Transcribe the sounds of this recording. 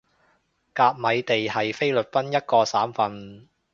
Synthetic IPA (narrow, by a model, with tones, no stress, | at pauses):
kaː˧p̚mɐ˨˧jt̪e˨jhɐ˨jfe˥jlɵ˨t̚fɐ˥njɐ˥t̚kɔː˧saː˨˥mfɐ˨˧n